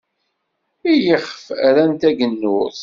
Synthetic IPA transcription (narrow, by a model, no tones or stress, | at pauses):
ijəχfæɾænt̪æɡənːʊð